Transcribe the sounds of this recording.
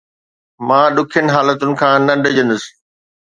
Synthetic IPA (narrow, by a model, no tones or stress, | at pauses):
mãːɗʊkʰijənɪ̆ɦaːlət̪ʊnɪ̆kʰãːnɐɖd͡ʑə̃nd̪ʊsɪ̥